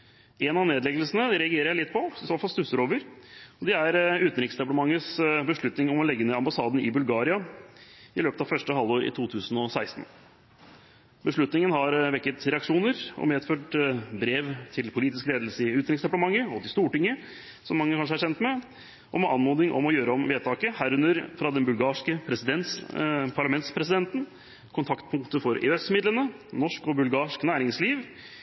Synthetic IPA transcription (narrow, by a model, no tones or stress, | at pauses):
ɛnɑneːd̪lɛɡəl̩sənəɾɛɑɡeːɾəɾjæɪlɪt̪ːpʰɔɪsoːt̪fɑlsd̪ʉsəɾoːʋəɾɔd̪ɛæɾʉːt̪n̩ɾɪksd̪ɛpɑɽəmɑŋːəsbəʂɭʉt̪nɪŋɔmɔlɛɡːənɛɑmbɑsɑːd̪n̩ɪbʉlɡɑːɾɪɑ | ɪløːpət̪ɑʋfœʂʈəhɑlːoːɾɪ̰t̪ʰuːt̪ʰʉːsn̩ɔsæɪst̪n̩ | bəʂɭʉt̪nɪŋənhɑɾʋɛkːət̪ɾɛɑkʂuːnəɾɔ̰meːd̪føːʈbɾeːʋt̪ʰɪlpʰʊliːt̪ɪskleːd̪lsəɪʉːt̪ɾɪŋsd̪ɛpləmɑŋːəɔt̪ɪst̪uːʈɪŋːə | sɔmːɑŋːəkʰɑnʂəæʂɛnt̪mɛ | ʔɔmɛʔɑnmoːnɪŋʔɔ̰mɔjøːɾəɔmʋeːt̪ʰɑːkəhæːɾʉnəɾfɾɑd̪ɛnbʉlɡɑːʂkəpʰɾsɪɛnpʰɑɭɑmɛnt̪spʰɾɛsɪd̪ɛnt̪n̩ | kʰʊnt̪ʰɑkt̪pʰʊŋkt̪əfɔɾḛːɛsmɪd̪lənə | nɔʂkɔbʉlɡɑːʂknæːɾɪŋsliːʋ